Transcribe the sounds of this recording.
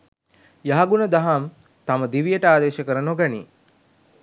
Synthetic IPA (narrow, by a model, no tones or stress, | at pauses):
jaɦaɡunəd̪aɦam | t̪aməd̪iʋijəʈəaːd̪eːʃəkəɾənoɡanḭ